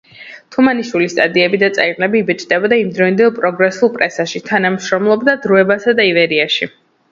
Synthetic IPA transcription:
t̪ʰumaniʃwilist̪ʼad̪iɛbid̪at̪sʼaiqʼlɛbiːbɛt͡ʃʼd̪ɛbad̪aimd̪ɾɔind̪ɛlˠpʼɾɔɡɾɛsulˠpʼɾɛsaʃit̪ʰanamʃɾɔmlˠɔbd̪ad̪ɾuɛbasad̪aivɛɾiaʃi

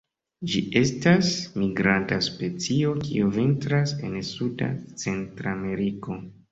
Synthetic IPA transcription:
d͡ʒiʔe̞stasmiɡɾantaspe̞t͡sio̞kʰḭuvintɾase̞̰nsuda̰t͡se̞ntɾame̞ɾiko̞

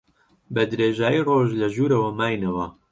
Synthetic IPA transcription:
bɛd̪ɾeːʒaːjiːroːʒlɐʒuːɾɐwɐmaːjnɐwɐ

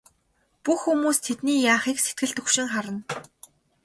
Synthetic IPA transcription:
puxːumuːst̪ʰet̪niːjaːχiːkset̪̚ɡɘ̆ɮt̪ɵxʃɪ̆ŋχaɾə̆n

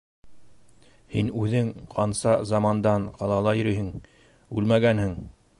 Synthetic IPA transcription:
hinʉðɘŋqʰɑnsɑzɑmɑnd̪ɑɴqɑlˠɑlˠɑjɤ̆ɾɘɦɘŋ | ʉ̰lmæɡænhɘŋ

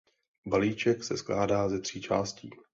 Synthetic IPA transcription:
baliːt͡ʃɛksɛsklaːdaːzɛt̪r̝̥iːt͡ʃa̰ːscḭː

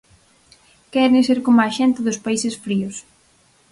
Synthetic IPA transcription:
kɛɾɪseɾkomaʃɛnt̪ɪðʊspaisɪsfɾiʊs

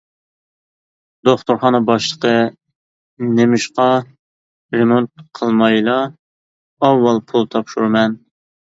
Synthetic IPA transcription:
d̪̥oχt̪uɾχɑnɨbɑʃlˠəqʰə | nemɪʃqɑ | ɾemont̪̚qʰəlˠmɑjlˠɑː | wːɑlˠpʰulˠt̪ʰɑpʃuɾmɛn

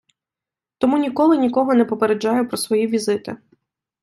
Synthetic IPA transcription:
t̪ɔmunʲikɔlˠɪnʲikɔɦɔnɛpɔpeɾed͡ʒːɑjʊpɾɔsʋɔjiʋʲizɪt̪ɪ

